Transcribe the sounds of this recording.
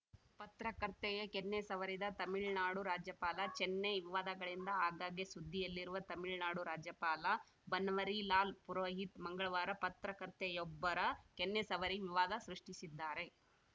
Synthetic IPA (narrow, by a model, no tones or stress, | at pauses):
pɐt̪ɾɐkɐɾt̪ejekenːesɐʋɐɾid̪ɐt̪ɐmiɭnaːɽuɾaːd͡ʒjɐpaːlɐt͡ʃɛnːeʋiʋaːd̪ɐɡɐɭind̪ɐaːɡaːɡjisud̪ʱːijɐlːiɾuʋɐt̪ɐmiɭnaːɽuɾaːd͡ʒjɐpaːlɐ | bɐnʋɐɾilaːlpuɾoːɦit̪mɐŋɡɐɭɐʋaːɾɐpɐt̪ɾɐkɐɾt̪ɛjɔbːɐɾɐkɛnːesɐʋɐɾiʋiʋaːd̪ɐsɾuʂʈisid̪ːaːɾe̞